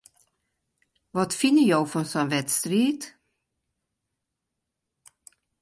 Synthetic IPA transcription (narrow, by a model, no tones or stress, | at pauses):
vɑt̪fɪnːəjɑɡfɾɔnsɔmvɛt̪st̪ɾiːt̪